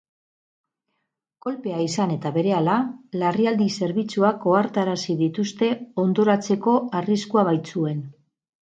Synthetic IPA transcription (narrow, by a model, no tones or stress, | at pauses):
ko̞lpe̞aisane̞t̪aβe̞ɾe̞alalariald̪ise̞ɾβ̞it͡suako̞aɾt̪aɾasiðit̪ust̪e̞o̞nd̪o̞ɾat͡se̞ko̞ariskuaβ̞ajt͡sue̞n